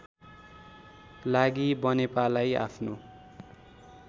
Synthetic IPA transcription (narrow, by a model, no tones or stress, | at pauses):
laɡibʌnepalaja̰pʰno